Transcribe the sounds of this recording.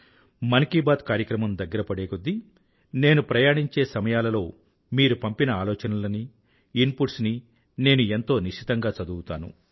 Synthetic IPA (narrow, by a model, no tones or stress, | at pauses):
mɐnkibaːt̪kaːɾjɐkɾɐmɐmd̪ɐɡːɐɾɐpɐɽeːkod̪ːi | ne̞ːnupɾɐjaːɳiɲt͡ʃe̞ːsɐmɐjaːlɐlo̞ː | miːɾupɐmpinɐaːlɔːt͡ʃɐnɐlɐni | inpuʈsni | ne̞ːnue̞nt̪o̞ːniʂit̪ɐŋɡaːt͡ʃɐd̪uwut̪aːnṵ